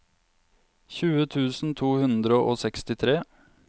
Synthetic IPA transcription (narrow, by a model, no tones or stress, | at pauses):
çʉːət̪ʰʉːsn̩t̪ʰuːhʉnd̪ɾəʔoːsɛkst̪ɪt̪ʰɾeː